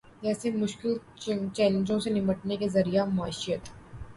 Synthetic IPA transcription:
d͡ʒɛːsemʊʃkɪl | t͡ʃɛːlẽnd͡ʒõsenɪməʈnekezɐɾijamaːʃɪjət̪ː

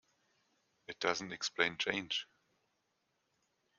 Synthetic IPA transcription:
ɨt̚d̥ʌz̃n̩tɛksplẽɪ̃nt͡ʃʰẽɪ̃nd͡ʒ

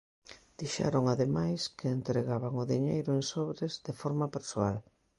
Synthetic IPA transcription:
d̪̥iʃɛ̰ɾoŋaðemajskɪːnt̪ɾeɣaβaŋʊðiɲejɾʊeŋsɔβɾɪzðefɔɾmapeɾsoa̰l

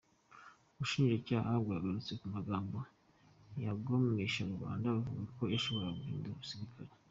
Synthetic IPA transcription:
uβuʃiːnʒacaːhabɡaːɡaɾut͡se̞kumaɡaːmbo | jaɡomeʃaɾuβa̰ːndaβavuɡako̞eʃo̞βo̞ɾaɡuiːndoβusiɾikʰaɾe

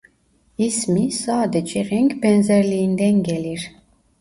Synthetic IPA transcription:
ismisaːd̪ɛt͡ʃʰʼɛɾɛŋkʰbɛnzɛɾliːnd̪ɛŋɡɛliɾ

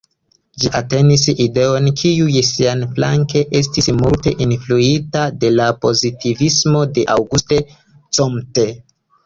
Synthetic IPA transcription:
d͡ʒiʔate̞niside̞o̞nkʰiujsianfla̰ŋke̞ʔe̞s̬tismulte̞ʔinfluitade̞lapo̞zitivismo̞de̞ʔawɡuste̞ | t͡somte̞

